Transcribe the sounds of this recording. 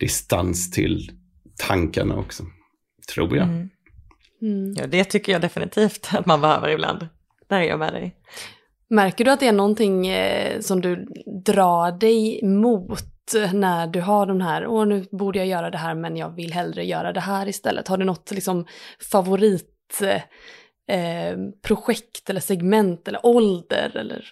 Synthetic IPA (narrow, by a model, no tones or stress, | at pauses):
d̪̥ɪst̪anst̪ʰɪ̰l | t̪ʰaŋkaɳa̰ɔksɔ | t̪ʰɾṵːɾja̰ | jɑ̰ːd̪ɛt̪ʰʏkːəjɑːd̪ɛfɪnɪt̪ʰiːft̪at̪manbɛhøːvə̰ɾɪbla̰nd̪ | d̪æɾjə̰mɛ̰ːd̪ɛ̰j | mæɾkəɖɵat̪̚d̪ɛænɔnt̪ɪŋːsɔmd̪ɵd̪ɾɑːɖɛjmuːt̪næɖɵɦaɖɔmɦæːɾɔnʉ̟ːbuːɖəjajœːɾad̪ɛɦæːɾmɛnjɑ̰ːɡvɪlːɦɛld̪ɾəjœ̰ːɾad̪ɛɦæːɾɪst̪ɛ̰lːə̰t̪haɖɵnɔt̪ːlɪksɔmfavʊɾiːt̪ | pʰɾʊɧɛkt̪ɛlːəʂɛɡmɛnt̪ɛlːə̰ɾʔɔld̪ə̰ɾɛ̰lːə̰ɾ